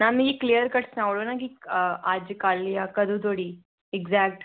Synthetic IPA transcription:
naːmĩɡiklijəɾkɐʈsnaʋɽonakiaːd͡ʒkaːlijakɐd̪ut̪oːɽi | ɛɡzaːk̚ʈ

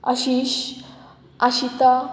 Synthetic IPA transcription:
a̰ɕiɕ | aɕit̪a

